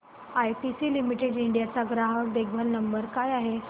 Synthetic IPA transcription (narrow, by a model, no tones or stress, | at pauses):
ajpisiːlimiʈeɽiɳɖijat͡saɡɾaɦək̚d̪eɡʱbʱəlnəmbəɾkajaɦe